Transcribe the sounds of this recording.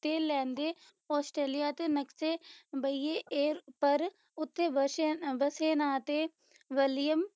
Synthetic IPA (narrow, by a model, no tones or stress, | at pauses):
t̪eːlɛ̃ːnd̪eː | ɔːsʈɾeːlijaːt̪eːnəkseːbəieːeːɾpəɾ | ʊt̪ʰːeːʋəʋəseːnaːt̪eː | ʋəlɪjəm